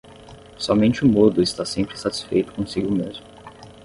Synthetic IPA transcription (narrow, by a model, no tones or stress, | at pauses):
sɔmẽnt͡ʃɪʊmod̪ʊɪst̪asẽmpɾɪsat͡ʃi̥sfejt̪ʊ̥kõsiɡʊmezmʊ